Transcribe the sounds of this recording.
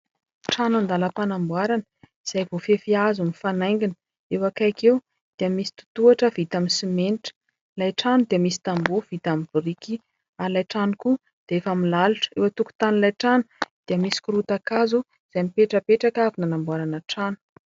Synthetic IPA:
ʈ͡ʂanand̪aləpanambwaɾanəiz̥ajvofefiazunifanajŋɡinə̥ | ewakajkew | d̪̥iəmisi̥t̪u̥t̪uaʈ͡ʂəv̥it̪aminsimeniʈ͡ʂə̥ | lajʈ͡ʂanud̪iəmisi̥t̪ambuv̥it̪amibuɾiki | aɾilajʈ͡ʂanuku | d̪̥eefamilaluʈ͡ʂə̥ewat̪uku̥t̪anilajʈ͡ʂanud̪̥iəmisi̥kuɾut̪akazu | z̥ajmipeʈ͡ʂəpeʈ͡ʂakavinanambwaɾanəʈ͡ʂanu̥

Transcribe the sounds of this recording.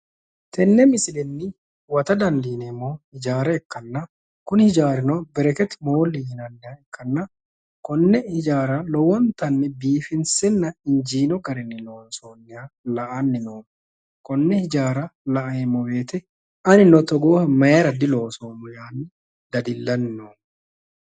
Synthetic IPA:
t̪ɛnːɛmɪsɪlɛnːɪ | wɐt̪ɐd̪ɐnd̪iːnɛmːohɪd͡ʒaːɾɐɛkːɐnːɐ | kʊnhɪd͡ʒaːɾɪnobɛɾɛkɛt̪moːlijɪnɐnːɪjɐɛkːɐnːɐ | kɔnːɛhɪd͡ʒaːɾɐlɔwɔnt̪ɐnːɛbiːfɪnsɛnːɐɪnd͡ʒiːnɔɡɐɾɛnːɪlo̞ːnsoːnːɪalɐʔanːɪmoːm | kɔnːɛhɪd͡ʒaːɾɐlɐʔɐjɛmːɔbe̞ːt̪ɛ | ɐnɪnɔt̪ɔɡoːhɐmɐjeɾɐd̪ɪlo̞ːsoːmʊjaːnːɪ | d̪ɐd̪ɪlːɐnːoː

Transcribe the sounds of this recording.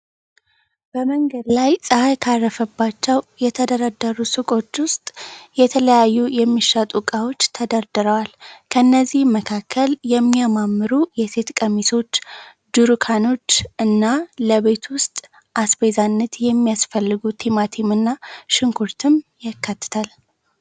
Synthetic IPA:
b̥əməŋɡəd̪lajsʼəhajkʰarːəfəbːat͡ʃːɛwjɛt̪ʰəd̪əɾad̪ːəɾusɨkʼo̞t͡ʃːwʊst̪ʼjɛt̪ʰələjajːujɛmːiʃːat̪ʼukʼawo̞t͡ʃːt̪ʰəd̪əɾd̪ɨɾəwalkʰənːəzːihmːəkʰakʰːəljɛmːijamamːɨɾujɛse̞t̪kʼəmiso̞t͡ʃː | d̪uɾukʰano̞t͡ʃːɨnːaləβe̞t̪ʰwʊst̪ʼ | ʔasbezanːət̪jɛmːijasfəlːɨɡut̪ʰimat̪ʰimɨnːaʃɪŋkʰuɾt̪ʰɨmjakʰːat̪ːɨ̥t̪ʰal

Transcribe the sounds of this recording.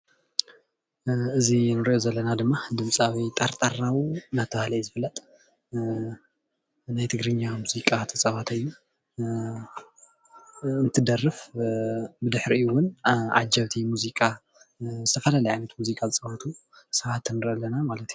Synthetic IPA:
ɨzinɨɾʔozɐlːɐnad̪ɨmːad̪ɨmsʼawit̪ʼaɾt̪ʼarawnat̪ʰɐβahlɐjzɨfɨlːɐt̪ʼ | najt̪ʰɨɡɾɨɲːamuzikʼat̪ʰɐsʼɐwat̪ʰɨjːu | ɨnt̪ʰɨd̪ɐrːɨf | bɨd̪ɨħɾiɨwːʊna̰d͡ʒɐβt̪ʰimuzikʼa | zɨt̪ʰɐfɐlalɐjʕajnɐt̪muzikʼazɨt͡sʼɐβat̪ʰusɐβat̪ɨnɨɾʔɐlːɐnamalɐt̪ju

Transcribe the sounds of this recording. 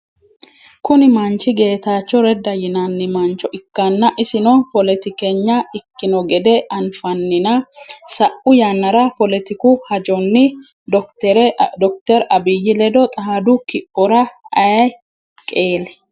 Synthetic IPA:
kʊnɪmɐnt͡ʃːɪɡe̞ːt̪aːt͡ʃːɔɾɛd̪ɐjɪnɐnːɪmɐnt͡ʃːɔʔɪkːɐnːɐʔɪsɪnɔpɔlɛt̪ɪkɛɲːɐɪkːɪnɔɡɛd̪ɛʔɐnfɐnːɪnɐsɐʔʊjanːɐɾɐpɔlɛt̪ɪkʊhɐd͡ʒɔnːɪ | ɛɾd̪ɔk̚t̪ɛɾɐbɪjːɪlɛd̪ɔt̪ʼɐhd̪ʊkɪpʼːɔɾɐɐjɐj | kʼe̞ːlɛ̥

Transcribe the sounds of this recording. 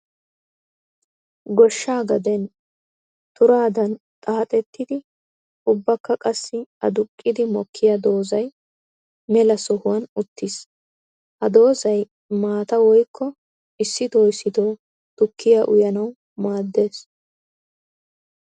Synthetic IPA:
ɡɔʃːaːɡɐd̪ɛn | t̪ʊɾaːd̪ɐn | t̪ʼaːt̪ʼɛt̪ːɪd̪ɪ | ʊbːɐkːɐkʼɐsːɪɐ̰d̪ʊkʼːɪd̪ɪmɔkʰːɪjɐd̪o̞ːzɐj | mɛlɐsɔhʊwɐnʊt̪ːɪs | hɐd̪o̞ːzɐj | maːt̪ɐwɔjkʰːɔ | ɪsːɪt̪oːɪsːɪd̪oː | t̪ʊkʰːɪjaʔʊjɐnɐw | maːd̪ːe̞ːs

